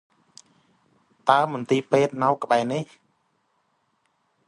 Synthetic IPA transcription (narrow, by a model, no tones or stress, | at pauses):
t̪aəmʊnt̪iːpeːt̪̚nawkə̆ɓaɛnih